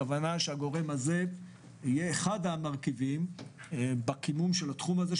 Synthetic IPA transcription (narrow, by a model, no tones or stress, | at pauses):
vanaʃeaɡo̞ʁe̞maze̞ | ijeːχad̪amaʁkivim | bakimumʃelat̪χumaze̞